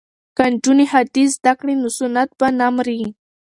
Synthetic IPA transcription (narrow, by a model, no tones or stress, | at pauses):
kand͡ʒʊnihad̪is̬d̪akɽinʊsʊnat̪̚banamɾi